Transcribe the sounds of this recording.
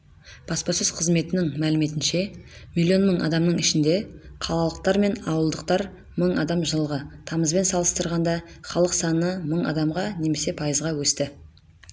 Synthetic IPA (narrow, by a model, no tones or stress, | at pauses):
b̥ɑspɑsʏz̥qʰəzme̞t̪ɪnɪŋmælɪme̞t̪ɪnʃe̞milʲːio̞nməɴʔɑ̰d̪ɑmnəɴɪʃɪnd̪e̞qʰɑlˠɑlˠəq̚t̪ɑɾme̞nɑwəlˠd̪əq̚t̪ɑɾ | məɴɑd̪ɑmʒəlˠʁət̪ʰɑməzbe̞nsɑlˠəst̪əɾʁɑnd̪ɑχɑlˠəqsɑnəməɴɑ̰d̪ɑmʁɑne̞me̞se̞pʰɑjəzʁɑwɵst̪ɪ